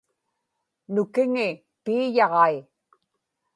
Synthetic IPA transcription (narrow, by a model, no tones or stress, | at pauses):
nʊkɪŋɪ | piːjɑʁɑi